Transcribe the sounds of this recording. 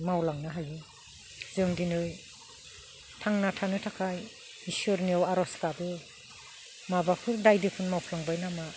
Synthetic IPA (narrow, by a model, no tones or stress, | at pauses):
mawlaŋnaɦajɯ | zɯŋdinɯj | tʰaŋnatʰanɯtʰakʰaj | isɯɾniawaɾɔskabɯ | mabapʰɯɾdajdɯkʰɯnmawpʰlaŋbajnama